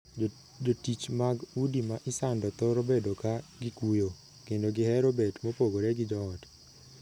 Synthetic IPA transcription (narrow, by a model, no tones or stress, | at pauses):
d͡ʒotit͡ʃmaɡudimaʔɪsandɔt̪oɾobedokaɡɪkujo | kendoɡɪhɛɾobetmopoɡoɾeɡɪd͡ʒɔɔt